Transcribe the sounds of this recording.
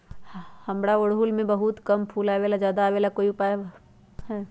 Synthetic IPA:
hɐmɽaoɽɦulmẽbɐɦut̪kɐmpʰuːlaːʋeːlad͡ʒjaːd̪aːʋeːlakoːiʊpaːja | ɦɛː

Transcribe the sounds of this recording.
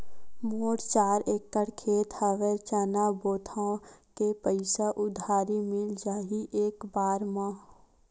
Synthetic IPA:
moːʈt͡ʃaːɾeːkːəɽkʰeːt̪həʋet͡ʃənaboːt̪ʰãkepəɪsaʔʊd̪ʱaːɾimɪld͡ʒaːɦiʔeːkbaːɾmãː

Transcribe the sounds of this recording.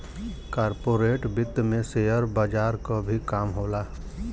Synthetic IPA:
kaːɾpoːɾeːʈbɪt̪ːmẽsejəɾbaːd͡ʒaːɾkobʱikaːmɦoːlaː

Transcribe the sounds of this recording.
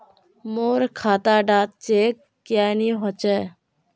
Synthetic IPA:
moːɾkʰaːt̪aːɖaːt̪̚t͡ʃeːkːjaːjniɦot͡ʃe

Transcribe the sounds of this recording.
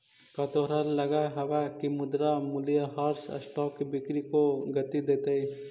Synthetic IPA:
kɐt̪oɾɐɾlɐɡaɦɐʋakimʊd̪ɾamʊlijaɦaɾsɐ̰sʈɔːkibɪkɾikoɡɐt̪id̪eːt̪ei

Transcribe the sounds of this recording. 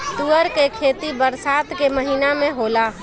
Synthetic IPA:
t̪uəɾkekʰeːt̪ibəɾsaːt̪keməɦinamẽɦoːla

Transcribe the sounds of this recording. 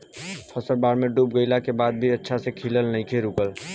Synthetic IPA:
pʰəsəɾbaɾmeɖupɡəɪlakebad̪̚bʱiətːʃʰasekʰiləlnəɪkʰeɾukəl

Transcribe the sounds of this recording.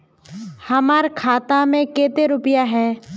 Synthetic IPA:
hɐmaːɾkʰaːt̪ãmẽkeːt̪eɾʊpɪjaɦɛː

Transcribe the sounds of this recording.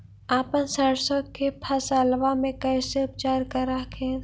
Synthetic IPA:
aːpənsaɽsokepʰɐsaːlʋamẽkɛɪseʊp̚t͡ʃaːɾkəɾakʰẽː

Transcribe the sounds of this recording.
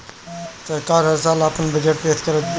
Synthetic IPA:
t̪ekaːɾɦəɾsaːlaːpənbəd͡ʒəʈ̚peːt̪kəɾət̪ː

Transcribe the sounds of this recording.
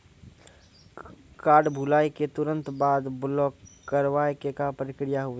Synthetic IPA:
kaːɾɖbʱulaːiket̪ʊɾə̃nt̪baːd̪blɔkːəɾʋaːekekapəɾɪkɾɪjaɦʊe

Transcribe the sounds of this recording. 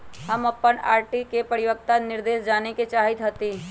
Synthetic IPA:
ɦɐmɐpːəna̰ːɾʈikepəɾɪʋək̚t̪anɪɾd̪eːʃd͡ʒaːneket͡ʃaːɦɪt̪ɦot̪iː

